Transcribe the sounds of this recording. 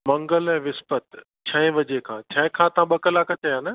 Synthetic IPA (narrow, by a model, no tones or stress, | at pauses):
mɐ̃ŋɡəlɛ̃ːʋɪspət̪ | t͡ɕʰɐ̃ɪ̃ʋɐd͡ʑekʰãːt͡ɕʰɐ̃ɪ̃kʰãt̪ɐãɓɐkəlaːkɐt͡ɕɐjãːnɐ